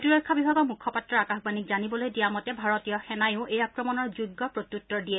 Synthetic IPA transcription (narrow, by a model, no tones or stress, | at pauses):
tuɹɔjkʰːabibʱaɡɔɹmukʰːɔpatɹɔakaxbanikzanibɔlojdijamɔtɛbʱaɹɔtijɔxɛnajʊʊʔejakɹɔmɔnɔɹzuɡːɔpɹotutːɔɹdiɛ